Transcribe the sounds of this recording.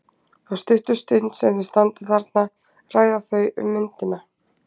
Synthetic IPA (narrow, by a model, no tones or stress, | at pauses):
awst̪ʏht̪ʏst̪œɥt̪nsɛmvɪ̥st̪ant̪ɪθaɾt̪na | raːjðaθœɥʔʏ̰mːʏnt̪ɪna